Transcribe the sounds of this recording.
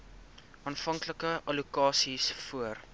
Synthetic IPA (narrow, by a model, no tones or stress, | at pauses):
ɑːnfɐŋkləkəɐlukɑːsisfuər